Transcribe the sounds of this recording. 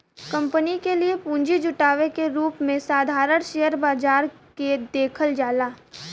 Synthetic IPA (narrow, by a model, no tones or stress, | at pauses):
kɐ̃mpənikeliepũːɲd͡ʒid͡ʒʊʈaːʋekeɾuːpmẽsaːd̪ʱaːɾəɳʃejəɾbaːd͡ʒaːɾ | ked̪eːkʰəld͡ʒaːlaː